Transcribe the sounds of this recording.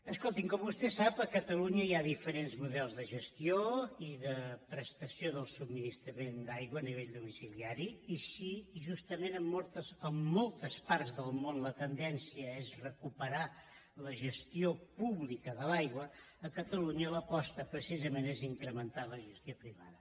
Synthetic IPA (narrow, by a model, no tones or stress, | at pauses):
əskolˠt̪iŋkɔmbust̪ɛsapəkət̪əluɲəiaðifəɾenzmuðɛlˠzðəʒəst̪ioiðəpɾəst̪əsjoðəlˠsubminist̪ɾəmend̪ajɣwəːniβ̞eʎd̪umisiliaɾiisiʒust̪əmenəmːɔlˠt̪əzəmːɔlˠt̪əspaɾzðəlˠmonlət̪ənd̪ɛnsiəezrəkupəɾa | ləʒəst̪iopuβlikəðəlajɣwəː | kət̪əluɲələpɔst̪əpɾəsizəmeneziŋkɾəmənt̪aləʒəst̪iopɾiβa̰ðə